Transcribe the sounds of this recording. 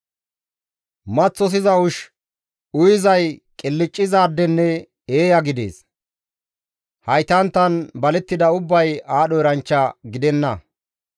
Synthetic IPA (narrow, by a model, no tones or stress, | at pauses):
mɐt͡sːɔs̬ɪzɐʊʃ | ʊjɪzɐjkʼɪlːɪt͡ʃʼːɪzaːd̪ːɛnːɛ | eːjɐɡɪd̪e̞̰ːs | hɐjt̪ɐnt̪ːɐnbɐlɛt̪ːɪd̪ɐʊbːɐjaːɗɔɛɾɐnt͡ʃːɐɡɪd̪ɛnːɐ